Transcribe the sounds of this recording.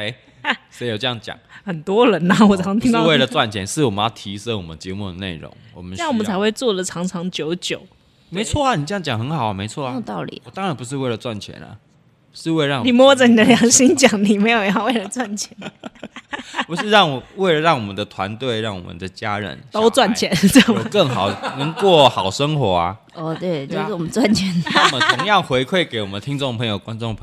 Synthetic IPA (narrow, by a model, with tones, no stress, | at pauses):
e˧˥ | ʂe˧˥ɪjo˨˩ʈ͡ʂə˧jɑ˥˩ŋt͡ɕjɑ̰˨˩˦ŋxə˨˩nt̪wɔ˥ɻə˧˥nɐ˧wɔ˨˩t͡sʰɑ˧˥ŋt̪ʰi˥we˥˩ɪlə˨t͡swa˥˩nt͡ɕʰjɛ˧˦nʂɻ̩˥˩wɔ˨˩mə˦ɑ˥˩t̪ʰi˧˥ʂə˥wɔ˨˩mə˦nt͡ɕjɛ˧˦mu˥˩d̪ə˩nḛ˥˩ɪɻʊ̰˧˦ŋwɔ̰˨˩mə˦a˥˩˥wɔ˨˩mə˦nt͡sʰa˧˥xwe˥˧ɪt͡swɔ˥˩d̪ə˩ʈ͡ʂʰɑ˧˥ŋʈ͡ʂʰɑ˧˥ŋt͡ɕjo˧˥ʊt͡ɕjo˨˩ʊ | me˧˥ɪt͡sʰwɔ˥˩˨ni˨˩ʈ͡ʂə˥jɑ˥˩ŋt͡ɕjɑ˨˩ŋxə˧˦nxɑ˨˩ʊ˦me˧˥ɪt͡sʰwɔ˥˨˥jt̪ɑ˥˩ʊlḭ˨˩ɔ˨˩t̪ɑ˥ŋɻa˧˦npu˧˦ʂ̬ɻ̩˥˧we˥˩ɪlə˩t͡swa˥˩nt͡ɕʰjɛ̰˧˦nə̰˨˩ | u˧˦ʂɻ̩˥˧we˥˧ɪɻɑ˥˨ŋni˨˩mwɔ˥d͡zə˨ni˨˩d̪ə˦ljɑ˨˧˥ŋɕi˥nt͡ɕja˨˩˦ŋni˨˩me˧˥ɪjo˨˩˥we˥˩ɪlə˩˨˩t͡swa˥˩nt͡ɕʰjɛ˨˧˦n | pu˧˥ʂɻ̩˥˧ɻɑ˥˩ŋwɔ˨˩we˥˩ɪlə˩ɻɑ˥˩ŋwɔ˨˩mə˦nd̪ə˨t̪ʰwa˨˧˦nt̪we˥˧ɪɻɑ˥˩ŋwɔ̰˨˩mə̰˨˦nd̪ə˩t͡ɕja˦˥ɻə̰˧˦nt̪o˥˦ʊt͡swa˥˩nt͡ɕʰjɛ˨˦nt͡sɔ˨˩˦kə˥˩ŋxɑ˨˩˦ʊnə˧˦ŋkwɔ˥˩xɑ˨˩ʊʂə˦˥ŋxwɔ˧˥˦a̰˧ | ɔ˥˨t̪we˥˩ɪt͡ɕo˥˧˨ʂ̩˥˩wɔ˨mə˧˦nt͡swa˥˩nt͡ɕʰɛ˧˥˦n˥˩wɔ˨mə˨t̪ʰʊ˧˦ŋjɑ˥˨ŋxwe˧˥ɪkʰwe˥˩ɪke˧˦ɪwɔ˨˩mə˨nt̪ʰi˦˥ŋt͡so˥˩ŋpʰə˧˥ŋjo˨˩ʊkwa˦nt͡so˥˨ŋpʰ